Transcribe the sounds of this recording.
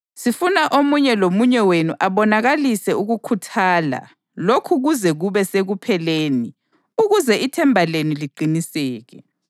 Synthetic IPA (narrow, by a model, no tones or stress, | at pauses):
sifunaʔomuɲɛlomuɲɛwenuʔaβɔnaɣalisɛuɣukʰutʰaːla̰ | lokʰuɣuzɛɣuβɛseɣupʰɛleːni | uɣuzɛʔitʰɛmbʱalenuliǃinisɛːɣɛ̰